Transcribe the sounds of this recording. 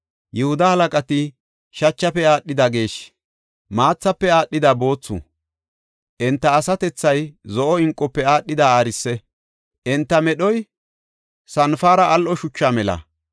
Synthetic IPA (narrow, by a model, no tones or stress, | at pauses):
jɛhʊd̪ɐhɐlɐkʼɐt̪ɪ | ʃɐt͡ʃːɐpɛaːɗːɪd̪ɐɡe̞ːʃ | maːt͡sːɐpːɛaːɗːɪd̪abo̞ːt͡sːʊ̰ | ʔɛnt̪ːɐːsɐt̪ɛt͡sːɐjzɔʔɔɪŋkʼːɔpːɛaːɗːɪd̪aaːɾɪsːɛ | ʔɛnt̪ːɐmɛɗɔj | sɐnfaːɾɐʔːlʔɔʃʊt͡ʃːaːmɛlɐ̰